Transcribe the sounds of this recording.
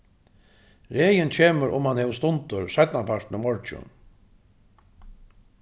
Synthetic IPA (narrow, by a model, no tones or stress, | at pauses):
ɾeːjɪnt͡ɕʰeːməɾʔʊ̰mhanhɛːʋst̪ʊnt̪ʊɾsat̪napʰar̥t̪nʊmɔɹt͡ʃʊ̰n